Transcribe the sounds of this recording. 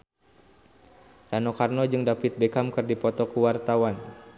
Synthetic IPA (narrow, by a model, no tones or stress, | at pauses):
danokarnɔd͡ʒɨŋdapit̪̚bekamkɨrdipɔt̪ɔkuwart̪awan